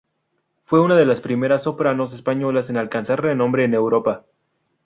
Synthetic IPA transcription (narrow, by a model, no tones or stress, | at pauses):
fwe̞unaðe̞laspɾime̞ɾasːo̞pɾano̞s̬e̞spaɲo̞lase̞nalkansaɾrenõ̞mbɾe̞ːne̞wɾo̞pa